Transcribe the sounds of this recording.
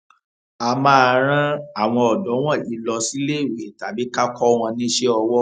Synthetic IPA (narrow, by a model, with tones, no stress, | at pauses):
a˧mã˦a˧ɾ̃ã˦a˨w̃ɔ̃˧ɔ˨dɔ˨˦w̃ɔ̃˦˨i˨˦lɔ˧si˦le˦˨we˨ta˨bi˨˦ka˦kɔ˦w̃ɔ̃˧nĩ˦ʃe˦ɔ˧wɔ˦